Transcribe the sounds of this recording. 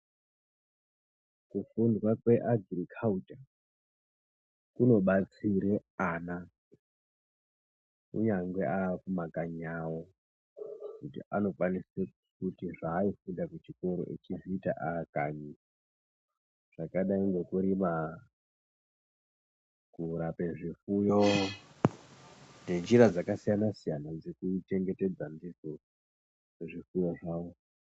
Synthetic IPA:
kufundwakweʔaɡʱrikʰauta | kuno̞ɓat͡siɾeana | ṵɲaŋɡweʔaːkumakaɲawo | kutḭʔano̞fanise | kutiʐaːifundakut͡ʃiko̞ɾo̰ʔḛt͡ʃiʐiːta̰ʔakaɲi | ʐ̥akaɗaiŋɡe̞kuɾima | kuɾapeʐifujo | ndend͡ʒiɾad͡zakasijanasijanad͡zekut͡ʃe̞ŋɡe̞te̞d͡zandiso | eʐifujo̞ʐaːwo

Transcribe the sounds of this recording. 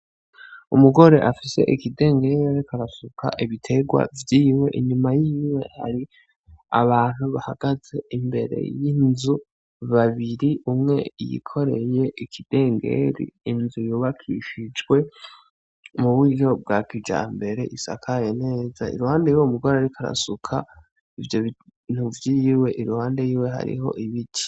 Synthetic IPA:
umuɡo̞ɾe̞ʔafise̞̰ʔikide̞ːŋɡe̞ɾaɾikaɾasukʰa̰ʔiβitʰe̞ɡwa̰vjiːwe̞ʔiɲimajiːwe̞ha̰ɾi | a̰βaːn̥huβahaɡ̥az̥e̞imbe̞̰ɾe̞̰jinzu | βaβiɾiʔumŋe̞̰jḭkʰo̞ɾe̞je̞ʔikʰid̥e̞ːŋɡe̞̰ɾḭːnzujuːβakʰiʃid͡ʒɡwe̞ | muβwiɾo̞b̚ɡakid͡ʒa̰mbe̞ɾe̞ʔisa̰kʰajene̞ːzaḭɾuhaːndejuweumuɡaɾaaɾikʰaɾa̰sukʰa | ivjoβ | n̥uvjijiwe̞ʔiɾuhaːnde̞jiːweɦa̰ɾḭho̞̰ʔiβiti̥

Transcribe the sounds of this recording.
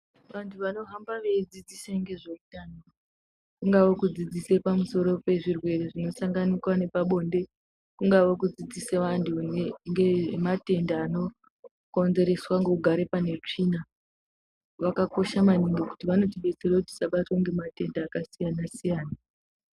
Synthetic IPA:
ʋantʰuʋano̞ɦambaʋe̞id͡zid͡ziseŋɡe̞ʐeutano | kuŋɡaʋokud͡zid͡zise̞pamuso̞ɾo̞pe̞ʐirwe̞reʐino̞saŋɡanikwane̞paɓo̞nde̞ | kuŋɡaʋokud͡zid͡ziseʋantʰuŋɡemate̞ndaːno̞ | ko̞nze̞ɾe̞swaŋɡouɡʱaɾe̞pane̞t͡ʂina | ʋakako̞ʃamaniŋɡoku̥tiʋano̞tiɓe̞t͡serakuti̥saɓatwaŋɡe̞mate̞ndaːkasijanasijaːna

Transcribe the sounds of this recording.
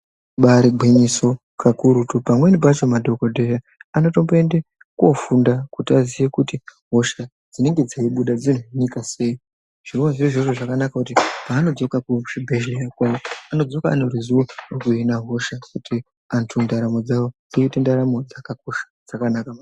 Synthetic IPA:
ɓaɾiɡʱwiɲiso̞ | kʰakuɾutupamwe̞nip̬at͡ʃo̞madʱo̞kodʱeja | ano̞to̞mboende | kwo̞fundakutiazijekutiɦo̞ʃa | d͡zine̞ŋɡe̞d͡zeiɓuɗad͡zin̤uɦinikase̞i | ʐ̥iruwaʐiroʐeʐoʐakanakakutipaːno̞d͡zo̞kakumuʃibʱeʒijakwaoano̞d͡zo̞kaːnorizuorukuinaɦo̞ʃakutʰi | antʰundaɾamo̞d͡zawo̞ndiitendaɾamo̞d͡zakak̚o̞ʃḁd͡zakanakama

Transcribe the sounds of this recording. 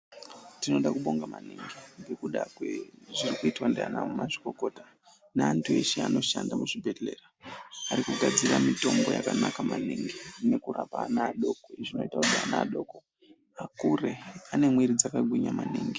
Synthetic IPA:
tino̞ɗakuɓo̞ŋɡamaniŋɡibekuɗakweʐirikuitwandeanamumaʐi̥ko̞ko̞ːta | neantʰue̞ʃea̰no̞ʃandamuʐibʱele̞raaɾikuɡʱad͡ziramito̞mbo̞jakanakamaniŋɡine̞kurapanaːɗo̞koiʐino̞itakuɗianaːɗoːko | akure̞ane̞mwiɾid͡zakaɡʱwiɲamaniːŋɡi

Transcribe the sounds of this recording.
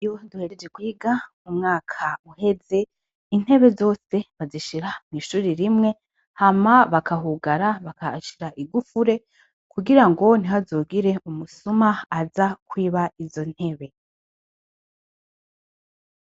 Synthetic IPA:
joduhe̞ɾed͡ʒekwiːɡa | umŋaːkʰauhe̞ze̞ | in̥he̞βe̞zo̞ːse̞βaziʃiɾamŋiːʃuːɾiɾimŋe̞ | hamaβakaɦuɡaɾaβakaʃiɾaʔiɡufuɾe̞ | kuɡiɾaŋɡo̞n̥iɦazoːɡiɾe̞umusumaazakwiːβaizo̞n̥he̞βe̞

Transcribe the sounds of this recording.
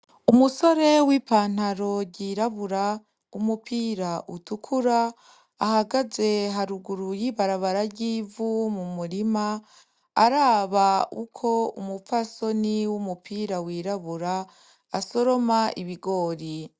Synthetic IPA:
umuso̞ɾe̞wiːpaːn̥haɾo̞ɟiːɾaβuɾa | umupʰiːɾaʔutukʰuɾaː | haɡaze̞ɦaɾuɡuɾujiβaɾaβaɾaɟiːvumumuɾimaː | ɾaːβaṵkʰo̞ṵmufaso̞niwumupʰiːɾawiːɾaβuɾa | aso̞ɾo̞maʔiβiɡo̞ːɾi

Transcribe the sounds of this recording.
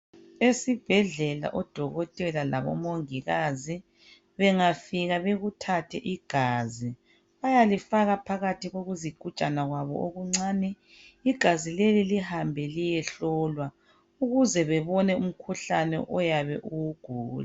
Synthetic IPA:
esib̥ʱɛɮɛla̰ʔɔd̥ʱɔɣɔtʼɛlalaβɔ̰moŋiɣazi | βɛŋafiɣaβeɣutʰatʰɛʔiɡ̥ʱaːzi | βajalifaɣapʰaɣatʰiɣoɣuziɡ̥ʱu̥t͡ʃʼanaɣwaβɔ̰ʔoɣuŋ͡ǀaːnɛ | iɡ̥ʱazilelilihambʱɛlijɛɬɔːlwa | uɣuzɛβɛβɔnɛum̩kʰuɬanɛ̰ʔɔjaβɛʔuwuɡ̥ʱuːla

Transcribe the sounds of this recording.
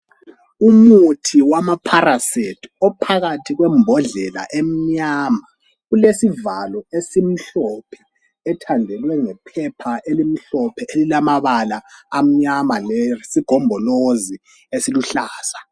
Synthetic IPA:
umutʰiwamapʰarasetʰɔpʰaɣatʰiɣwɛmbʱɔɮɛla̰ʔem̩ɲama | ɣulesivalɔesim̩ɬɔpʰɛ̥ː | tʰandʱɛlwɛŋɛpʰɛpʰaelim̩ɬɔpʰɛelilamaβalaːm̩ɲamalɛsiɡ̥ʱɔmbʱɔlozi | esiluɬaːsḁ

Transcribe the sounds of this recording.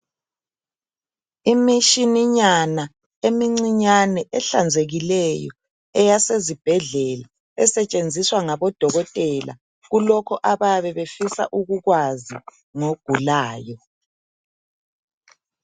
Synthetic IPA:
imiʃiniɲana | emiŋ͡ǀiɲanɛʔɛɬand͡zʱeɣilɛjɔ̰ | ɛjasezib̥ʱɛɮɛla | ɛsɛt͡ʃʼend͡zʱiswaŋaβɔd̥ʱɔɣɔtʼɛla̰ | ɣulɔkʰɔʔaβaβɛβefisa̰ʔuɣuɣwazi | ŋoɡ̥ʱulaːjɔ

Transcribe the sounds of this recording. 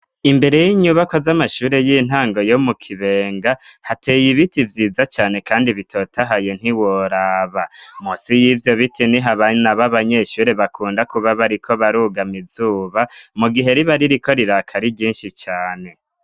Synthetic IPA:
imbe̞ɾe̞jiɲuβakozamaʃuːɾe̞jin̥aːŋɡo̞jo̞mukʰiβe̞ːŋɡahatʰe̞ːjiβitivjiːzat͡ʃaːne̞kaːndiβitʰo̞ːtʰaɦajon̥iwoɾaːβamusijivjo̞βitʰiniɦaβanaβaβaɲe̞ʃuːɾe̞βakʰuːndakuβaβaɾikʰo̞βaɾuɡamizuːβamuɡiɦe̞ɾiβaɾiɾikʰo̞ɾiɾaːkʰaɾiɟiːnʃit͡ʃaːne̞

